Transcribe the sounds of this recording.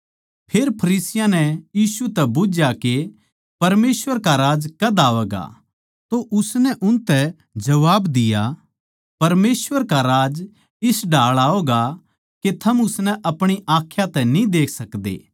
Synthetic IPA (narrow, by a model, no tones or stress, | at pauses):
pʰeːɾpʰɐɾiːsɪjãnɛjiːsut̪ɛbʊd͡ʒjake | pɐɾmeːsʋəɾkaɾaːd͡ʒkɐd̪aːʋɛːɡa̰ | t̪oʔʊsnɛʔʊnt̪ɛ | d͡ʒɐʋaːbd̪ɪja | pɐɾmeːsʋəɾkaɾaːd͡ʒ | ɪsɖʱaːɭaːoːɡa | ket̪ʰɐmʊsnɛʔɐpɽ̃iʔaːkʰːjat̪ɛnĩd̪eːkʰsɐkd̪ḛː